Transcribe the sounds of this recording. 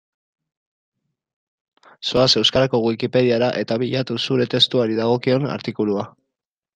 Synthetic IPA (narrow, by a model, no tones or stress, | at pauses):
soase̞wskaɾako̞ɣwikipe̞ð̞iaɾaʔe̞t̪aβiʎat̪usuɾe̞t̪e̞st̪uaɾiðaɣ̞o̞kio̞na̰ɾt̪ikulua